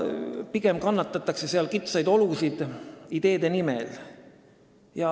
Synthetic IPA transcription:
piɡemkɑnːɑt̪ːˑɑt̪ːˑɑkse̞seɑlkit̪sɑjd̪o̞lusid̪̥id̪̥e̞ːd̪̥enimḛl | jɑ

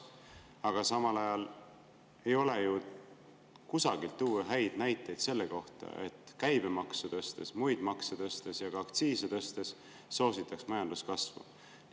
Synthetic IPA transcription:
ɑɡ̥ɑsɑmɑlɑjɑl | e̞jo̞leju | kusɑɡ̥ilt̪ːuːɦæjd̪̥næjt̪ːˑe̞jd̪̥se̞lːeko̞ht̪ɑ̰ʔe̞̰t̪ˑkæjb̥emɑksut̪ɤst̪e̞smujd̪mɑkset̪ɤst̪esjɑɡ̥ɑːkt̪siːset̪ɤ̞st̪e̞sː | o̞ːsit̪ːˑɑksmɑjɑnd̪̥uskɑsvṵ

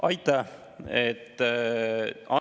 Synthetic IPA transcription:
ʔɑjt̪ːˑɑ | et̪ː | ɑ

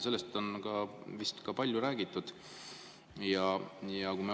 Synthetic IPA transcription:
se̞lːest̪o̞nkɑvist̪kɑpɑlʲjuɾæːɡ̥it̪ːˑud̪̥ | jɑjɑkume

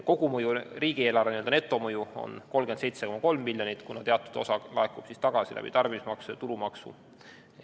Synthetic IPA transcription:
ko̞ɡ̥umɤjuriːɡie̞ːlɑɾeniø̞ld̪ne̞t̪ːˑo̞mɤjuo̞̰nko̞lɡ̥ensejt̪seko̞mɑko̞lmːilʲːjo̞nit̪kunɑt̪eɑt̪ːˑud̪̥o̞̰sɑlɑ̰ekˑub̥sist̪ɑɡ̥ɑsilæ̰bḭt̪ɑrbiismɑksuɑt̪uɾumɑksṵ

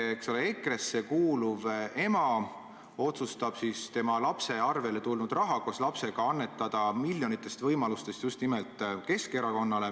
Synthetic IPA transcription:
ekso̞lee̞kre̞sːe̞kuːluve̞mɑ | o̞t̪sust̪ɑb̥sist̪e̞mɑlɑpse̞ɑrve̞le̞t̪ulnud̪̥rɑɦɑkoslɑpse̞ɡ̥ɑɑnːe̞t̪ːˑɑd̪̥ɑmiljo̞nit̪ːˑe̞st̪vɤjmɑlust̪e̞st̪just̪nime̞lt̪ˑke̞ske̞ɾɑko̞nːɑle̞

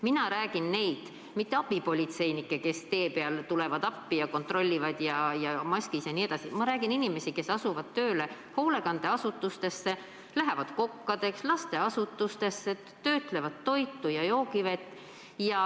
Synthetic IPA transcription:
minɑɾæːɡ̥inːe̞jd̪̥ | mit̪ːe̞ɑb̥ipo̞lʲit̪se̞jnikːˑeke̞st̪e̞ːpeɑlt̪ule̞vɑd̪̥ɑpːijɑko̞nt̪ro̞lʲːivɑd̪̥jɑjɑmɑsʲkisjɑnied̪ɑsimɑɾæːɡ̥ininime̞sike̞sɑsuvɑd̪̥̚t̪ø̞ːle̞ | ho̞ːle̞kɑnd̪̥e̞ɑsut̪ːˑust̪e̞sːe̞ | læɦe̞vɑd̪̥ko̞kːɑd̪̥e̞kslɑst̪e̞ɑsut̪ːˑust̪e̞sːe | t̪ø̞ːt̪ˑle̞vɑd̪tːo̞jt̪ːˑujɑjo̞ːkivet̪ːˑ | jɑ

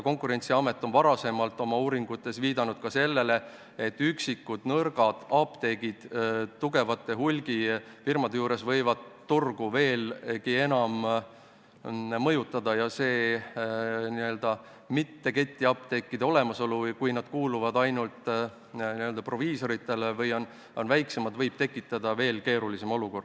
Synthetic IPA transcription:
ko̞ŋkuɾe̞nʲt̪siɑme̞t̪ːˑo̞nvɑɾɑse̞mɑlt̪ːˑo̞mɑuːɾiŋɡut̪ːˑe̞sviːd̪ɑnud̪̥kɑse̞lːe̞le̞ | et̪ːyksikːud̪̥nɤrɡ̥ɑd̪̥ɑpt̪e̞ɡ̥id̪̥t̪ːuɡe̞vɑt̪ːˑe̞ɦulʲɡ̥ifirmɑd̪ejuːɾe̞svɤ̞jvɑd̪ːurɡ̥uve̞ːlkie̞nɑm | mɤjut̪ːˑɑd̪ɑjɑse̞ː | niø̞ld̪̥ɑ | mit̪ːe̞ke̞t̪ʲːiɑp̚t̪e̞kːid̪̥eo̞le̞mɑso̞luvjkujnɑd̪̥kuːluvɑd̪ɑjnult̪ | niøld̪ɑpro̞viːso̞ɾit̪ˑːe̞levɤjo̞n | o̞nvæjkse̞mɑd̪̥vɤjb̥̚t̪e̞kːˑit̪ːˑɑd̪̥ɑve̞ːlke̞ːɾulisemo̞luko̞rd̪̥

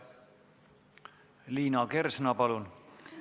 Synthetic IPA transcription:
liːnɑkersnɑpɑlun

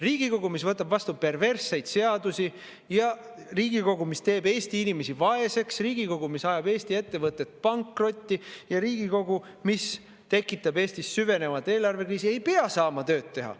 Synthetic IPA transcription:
riːɡ̥iko̞ɡ̥umisvɤt̪ːˑɑbvɑst̪upe̞rve̞rsːe̞jd̪se̞ɑd̪usi | jɑ | riːɡiko̞ɡumist̪e̞ːbe̞ːst̪iinime̞sivɑe̞se̞ksriːɡ̥iko̞ɡ̥umisɑjɑbe̞ːst̪ie̞t̪ːe̞vɤt̪ːˑe̞t̪̚pɑŋkro̞t̪ʲːijɑɾiːɡiko̞ɡu | mis | t̪e̞kːˑit̪ːˑɑbe̞ːst̪isːyve̞ne̞vɑt̪ːˑe̞ːlɑrve̞kriːsie̞jpeɑsɑːmɑt̪ø̞ːt̪t̪ːe̞ɦɑ̰

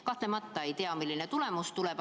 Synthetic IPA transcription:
kɑht̪le̞mɑt̪ːɑe̞jt̪eɑmilːinet̪ule̞must̪uleb̥

